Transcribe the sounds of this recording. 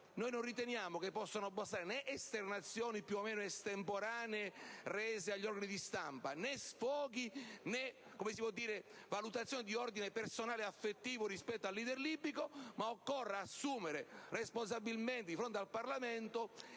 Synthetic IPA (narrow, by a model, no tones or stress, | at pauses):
noːjnonrːit̪enjaːmokepːɔsːanoabːast̪aːɾenɛʔest̪ernat̪sːjɔːnipjuomeːnoest̪empoɾaːneerɛːzeaʎːɔrɡanid̪ist̪ampanɛsfɔːɡinɛ | komesipwɔd̪ːiːɾe | valut̪at̪sjonid̪iɔrd̪inepersonaːleafːet̪ːiːvorispɛt̪ːoalːiːd̪erliːbikomaokːɔrːaasːuːmeɾerespons̬abilment̪ed̪ifɾont̪ealparlament̪o